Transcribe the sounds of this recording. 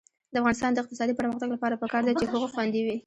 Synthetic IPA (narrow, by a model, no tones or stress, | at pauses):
d̪əafɣɑnɪs̬t̪ɑnd̪əɪq̚t̪ɪsɑd̪ipəɾməxt̪aɡlapɑɾapəkɑɾd̪at͡ʃeɦoɣoxwɑnd̪iwi